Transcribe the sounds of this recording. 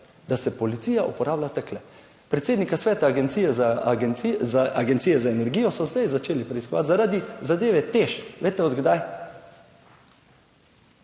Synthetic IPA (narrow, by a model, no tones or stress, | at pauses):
d̪̥asɛpɔlit̪siːjaʔṵpɔɾaːblat̪aklɛ | pɾɛt̪seːd̪nikasʋɛːt̪aːɡent̪sijɛzanzaaɡɛnt̪sijɛzaenɛɾɡiːjɔsɔzd̪ajzat͡ʃeːlipɾɛiskɔʋa̰t̪zaɾad̪izad̪eːʋɛt̪eʃʋeːt̪ɛɔd̪ɡd̪aj